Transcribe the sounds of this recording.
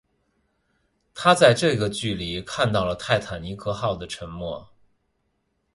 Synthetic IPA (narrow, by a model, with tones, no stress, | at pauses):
t̪ʰa˥t͡sa˥˧ɪʈ͡ʂɤ˥˩i˧˩ɡə˩t͡ɕy˥˩li˧˥kʰa˥˧nt̪ɑ˥˩ʊlə˩t̪ʰa˥˩ɪt̪ʰa˨˩nni˧˥kʰɤ˥˧xɑ˥˩ʊd̪ə˩ʈ͡ʂʰə˧˥ŋmwɔ˥˩